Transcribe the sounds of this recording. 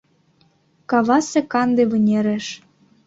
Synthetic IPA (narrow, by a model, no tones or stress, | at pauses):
kɑβɑsĕkɑnd̪eβɤ̆nʲeɾĕʃ